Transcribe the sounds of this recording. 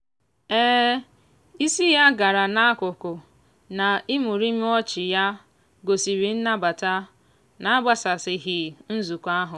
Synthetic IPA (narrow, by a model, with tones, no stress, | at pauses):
eː˦ | i˦si˦ja˦ɡa˨ɾa˨na˦kʊ˨kʊ˨ | na˨i˦mu˨ɾi˦m˦ɔ˦t͡ʃɪ˨ja˦ | ɡo˨si˨ɾi˨n̩˦na˦ba˨ta˦ | na˨a˦ba˦sa˨sɪ˨ɦi˨n̩˦zu˨kʷa˦ɦʊ˨